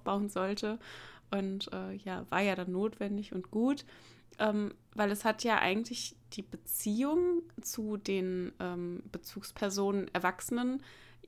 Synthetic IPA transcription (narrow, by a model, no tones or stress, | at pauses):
fb̥aʊənzɔltəʔʊntʔɛːjaːvaːɐjaːɾanːoːtv̥ɛndɪçʊntɡ̥uːt | ʔɛːm | vaɪlɛshatʰjaːʔa̰ɪɡŋ̩tlɪçd̥iːbət͡siːʊŋt͡sudeːnʔɛːmb̥ət͡suːkspʰɛɐzoːnənʔɛɐvaksənən